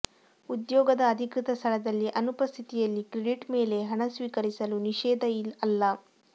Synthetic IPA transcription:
ud̪jɔːɡɐd̪ɐːd̪ʱikɾit̪ɐst̪ʰɐlɐd̪ɐlːiʔɐnupɐst̪ʰit̪ijɐlːikɾeɖiʈme̞ːle̞ɦɐɳɐsʋiːkɐɾisɐluniʃɛːd̪ʱɐɐlːɐ

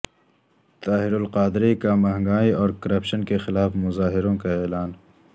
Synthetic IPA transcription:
t̪aːɦɪɾʊlqaːd̪ɾekamɐɦə̃ŋɡaːiɔːɾkɐɾɐpʃənkexɪlaːfmʊzaːɦɪɾõkaeːlaːn

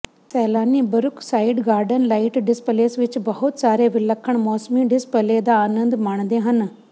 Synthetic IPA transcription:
sɛːlaːniːbɐɾʊksaːɪɖɡaːɾɖənlaːɪʈɖɪspəleːsʋɪt͡ʃbɐɦʊt̪saːɾeʋɪlɐkʰːəɳ̃mɔːsmiɖɪspəleːd̪aːnə̃nd̪maːɳ̃d̪eɦɐn

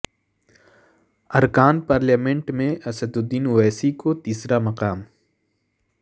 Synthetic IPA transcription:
ɐɾkaːnpaːɾljaːmẽɳʈmẽʔɐsəd̪ʊd̪ːiːnʊwɛːsikot̪iːsɾamɐqaːm

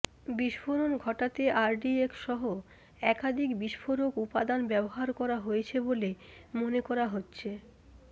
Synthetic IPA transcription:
biʃfoɾonɡʱɔʈat̪eʔaɾɖiekʃɔɦo | ɛkad̪ʱikbiʃfoɾokupad̪anbɛboɦaɾkɔɾaɦojet͡ɕʰebolemonekɔɾaɦotːɕʰe

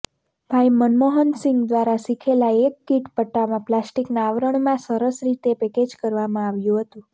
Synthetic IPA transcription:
b̥ʱajmənmoɦənsiŋɡd̪ʋaɾasikʰelaekːiʈpəʈːamãplasʈiknaːʋɾəɳmãsəɾəsɾit̪epɛked͡ʒkəɾʋamãaʋjũɦət̪ũ

